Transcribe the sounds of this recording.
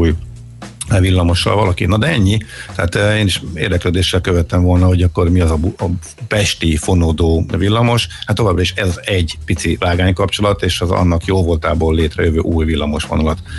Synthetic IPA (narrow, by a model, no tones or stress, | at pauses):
uːj | vilːɒmo̞ʃːɒ̰lvɒlɒkinɒd̪ɛɛɲːit̪ɛaːt̪eːniʃḛːrd̪ɛkløːd̪eːʃːɛlkøvɛt̪ːɛɱvo̞lnɒɦo̞ɟɒkːo̞rmiɒzɒbuɒ | pɛʃt̪ifo̞nod̪oːvilːɒmo̞ʃhat̪ːovaːbrɒiʃɛzɒzɛɟːpit̪sivaːɡaːɲkɒpt͡ʃo̞lɒt̪eːʃɛzɒ̰nːɒkjoːlvolt̪aːboːlːeːt̪rɛ̰jøvø̰ːʔuːjvilːɒmo̞ʃʋo̞nɒlɒt̪